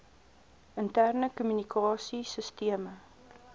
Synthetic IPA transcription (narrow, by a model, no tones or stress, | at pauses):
əntærnəkumynikʰɑːsisəstiəmə